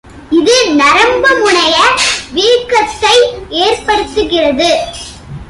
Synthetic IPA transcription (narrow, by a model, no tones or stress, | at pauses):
ɪðɯnɐɾɐmbɐmʊɳɐjɐʋiːɾkːɐt̪ːɐɪeːrpɐɾɯt̪ːɯɣɪrɐðɯ